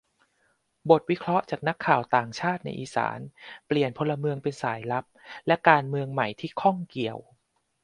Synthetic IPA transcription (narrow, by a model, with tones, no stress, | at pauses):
bo˨˩t̪̚wi˦˥kʰɾɔ˦˥ʔt͡ɕaː˨˩k̚na˦˥kʰːaː˨˩wt̪aː˨˩ŋt͡ɕʰaː˥˩t̪̚na̰˧jʔḭː˨˩sa̰ː˩˦npli˨˩ənpʰo˧lːa˧mɯ˧əŋpe˧nsa̰ː˩˦jla˦˥p̚lɛ˦˥ʔkaː˧nmɯ˧əŋma˨˩jt̪ʰiː˥˩kʰɔ˥˩ŋki˨˩əw